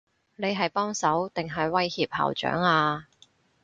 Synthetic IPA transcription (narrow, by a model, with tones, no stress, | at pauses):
ne˨˧jɦɐ˨jpɔː˥ŋsɐ˨˥wt̪ɪ˨ŋɦɐ˨jwɐ˥jhiː˧p̚ha̰ː˨˩wt͡ʃœ̰ː˨˥ŋaː˧